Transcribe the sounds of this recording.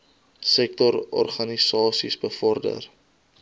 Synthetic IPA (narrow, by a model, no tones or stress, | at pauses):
sɛk̚tɔɾɔ̰rχɐnisɑːsisbəfɔrdə̰r